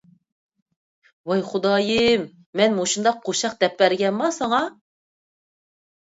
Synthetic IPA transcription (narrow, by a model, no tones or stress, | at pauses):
wɑjχud̪ɑːjɨmː | ɛnmoʃund̪ɑqʰːoʃɑq̚d̪ɛpːæɾɡʲɛnmɑsɑŋɑ